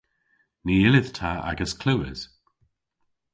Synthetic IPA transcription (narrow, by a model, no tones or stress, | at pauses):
niːɪlɪð̥tʰaa̰ɡəskʰl̥uwə̰z̥